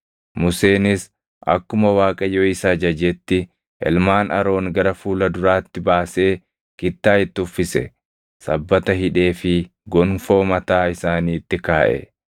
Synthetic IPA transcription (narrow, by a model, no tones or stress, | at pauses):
mʊse̞ːnɪs | ʔɐ̰kːʊmɐwaːkʼɐjoːɪsad͡ʒɐd͡ʒɛt̪ːɪ | ʔɛ̰lmaːnɐ̰ɾo̞ːŋɡɐɾɐfuːlɐd̪ʊɾaːt̪ːɪbaːse̞ː | kɪt̪ːaːɪt̪ːɪʊfːɪsɛ̰ | sɐbːɐt̪ɐhɪᶑe̞ːfɪ | ɡɔnfo̞ːmɐt̪aːɪsaːniːt̪ːɪkaːʔɛ̰